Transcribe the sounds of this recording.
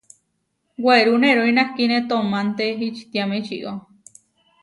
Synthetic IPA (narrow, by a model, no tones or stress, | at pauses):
ɡeɾuneɾoinahkinet̪omant̪eɦit͡ʃt̪jamet͡ʃḭʔo